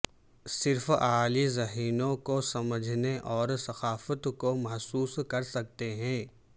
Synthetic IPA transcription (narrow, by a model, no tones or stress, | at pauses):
sɪɾfaːlizɐɦiːnõkosɐməd͡ʒʱneʔɔːɾsɐxaːfət̪komɐɦsuːskɐɾsɐk̚t̪eɦɛ̃ː